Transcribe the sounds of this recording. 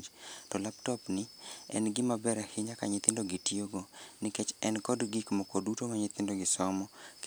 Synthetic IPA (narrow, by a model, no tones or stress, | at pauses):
d͡ʒtɔlaptɔpnɪɛ̰nɡɪmabɛɾahɪɲaka̰ɲɪt̪ɪndoɡitioɡonɪket͡ʃɛnkɔdɡɪkmɔkodutomaɲɪt̪ɪndoɡɪsɔmɔk